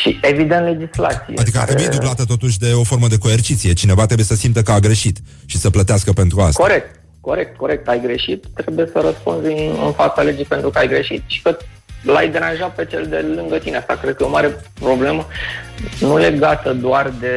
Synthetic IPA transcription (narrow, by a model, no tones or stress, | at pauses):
ʃie̞vid̪ent̪le̞d͡ʒisla̰t̪sḭjead̰̪ikəaɾebujed̪ublat̪ət̪o̞t̪uʃ̬ʲd̪e̞o̞fo̞ɾməd̪e̞ko̞ert͡ʃit̪sije̞t͡ʃine̞vat̪ɾe̞bujesəsimt̪əkəaɡɾe̞ʃit̪ | ʃisəplət̪easkəpent̪ɾua̰sko̞ɾe̞k̚t̪ | ko̞ɾe̞k̚t̪̚ko̞ɾe̞k̚t̪ajɡɾe̞ʃit̪ːɾe̞buje̞səɾəspunziɨ̰nfat̪sale̞d͡ʒijpe̞nt̪ɾukəajɡɾe̞ʃit̪ʃi̥kə | lajd̪e̞ɾanʒat̪̚pe̞t͡ʃe̞ld̪e̞lɨŋɡət̪ineast̪akɾed̪̚kəomaɾe̞pɾo̞ble̞mə | nule̞ɡat̪əd̪oard̪e̞